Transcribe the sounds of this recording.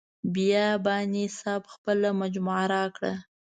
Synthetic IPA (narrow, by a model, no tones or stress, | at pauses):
bijɑbɑnisɑbxpəlamad͡ʒmuʕaɾɑkɽa̰